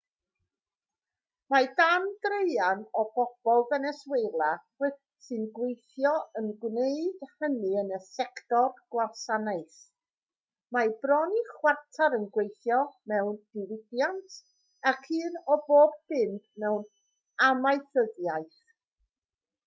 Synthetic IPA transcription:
madand̥rejanɔb̥ɔb̥ɔlˠvɛnɛswejlˠawɛ | sɨnɡwejθjɔənɡwneɨd̥hənɨənəsɛktɔrɡ̥wasanaɨs | mabrɔniχwartʰaɾənɡwejθjɔmɛwnd̥ɪlɪbjantʰ | akʰiːnɔboːb̚b̥ɪmdmɛwn | amajθəðjaɨθ

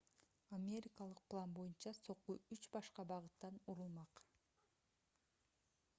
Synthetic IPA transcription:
amʲe̞ɾʲɪkalˠɯq̚plˠɑnbo̞junt͡ʃɑso̞qːuyt͡ʃbɑʃqɑbɑʁɯt̪ːɑnuɾulˠmɑq

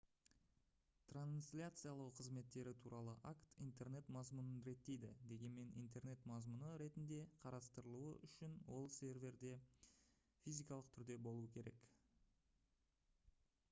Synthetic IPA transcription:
t̪ransʲlʲat̪sɨjalˠəwqʰəzme̞t̪ːe̞ɾɪt̪ʰuɾɑlˠəʔakt̪ijnt̪e̞rne̞t̪mɑzmunənɾe̞t̪ːe̞jd̪ɪd̪e̞ɡʲe̞nme̞nʔḭjnt̪e̞rne̞t̪mɑzmunəɾe̞t̪ɪnd̪e̞qʰɑɾɑst̪əɾəlˠuəʔʏʃɪnwo̞lˠsʲe̞rvʲe̞ɾd̪e̞ | fʲijzʲijkɑlˠəqt̪ʰʏɾd̪e̞bo̞lˠuwəkʲʰe̞ɾe̞k

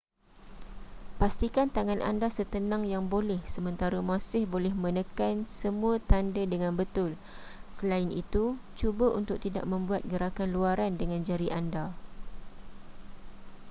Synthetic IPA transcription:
past̪ikant̪aŋanʔa̰ndasət̪ənãŋjaŋbolɛhsəmə̃nt̪aɾamãsɪhbolɛhmə̃nəkansəmũat̪andədəŋãnbət̪ʊl | səlaɪnit̪ut͡ʃubəʔunt̪ʊk̚t̪ida̰ʔ̚mə̃mbuat̪̚ɡəɾakanluaɾandəŋãnd͡ʒaɾiʔanda

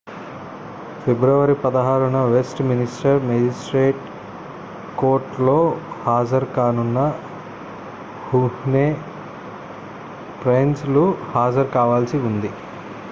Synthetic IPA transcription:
pʰebɾɐʋɐɾipɐd̪ɐɦaːɾunɐʋesʈminisʈɐɾmed͡ʒisʈɾeːʈ | koːɾʈlo̞ːhaːd͡ʒɐɾkaːnunːɐ | huneː | pɾensluhaːd͡ʒɐɾkaːʋaːlsiund̪i

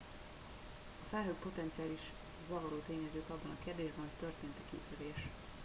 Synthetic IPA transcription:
ɒfɛlɦøːk̚po̞t̪ɛnt̪sijaːliʃ | zɒvɒɾoːt̪eːɲɛzøːt̪ɒbːɒnɒkeːrd̪eːʒbɛnɦocʲt̪ø̞rt̪eːnt̪ɛkḭfyɾeːʃ

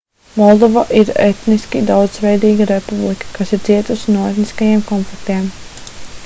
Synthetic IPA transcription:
mɔlˠd̪ɔvaʔiɾḛt̪niskʲid̪awd̪zvɛjd̪iːɡaɾepublˠikə̥kasiɾt̪ziɛt̪usinuɔɛt̪niskajeɛmkɔnflikt̪iɛm

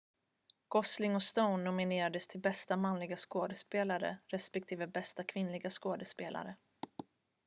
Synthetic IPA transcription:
ɡ̥ɔslɪŋɔst̪əʊnːʊmɪneːɾad̪əst̪ʰɪlbɛst̪amanlɪɡaskoːd̪əspeːlaɾə̰ɾɛspɛk̚t̪ʰiːvəbɛst̪akʰvɪnlɪɡaskoːd̪əspeːlʔa̰ɾə

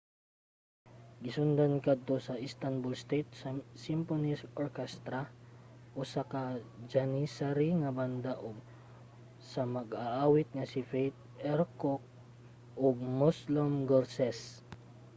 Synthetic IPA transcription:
ɡɪsʊnd̪ankad̪̚t̪osɐʔɪst̪anbʊlst̪et̪̚ssimponisʔoɹkɛst̪ɾaʔosakad͡ʒanisaɾiŋɐband̪aʔoɡ̚ | sɐmɐɡaʔaːwɪt̪̚ŋɐsɪfejt̪̚ | ʔɛɾkok̚ | ʔoɡ̚moslomɡoɾsɛs

